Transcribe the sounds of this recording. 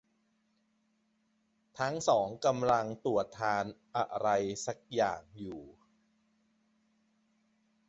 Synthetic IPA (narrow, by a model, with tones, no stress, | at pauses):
t̪ʰa˦˥ŋsɔː˩˦ŋka˧mla˧ŋt̪u˨˩ət̪ʰːaː˧nʔa˧ɾa˧jsa˨˩k̚jaː˨˩ŋjuː˨˩